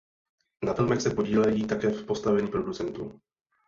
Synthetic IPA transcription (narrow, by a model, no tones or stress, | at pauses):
nafɪlmɛxsɛpo̞ɟiːlɛjiːt̪akɛːfpo̞st̪avɛɲiːpɾo̞dut͡sɛnt̪uː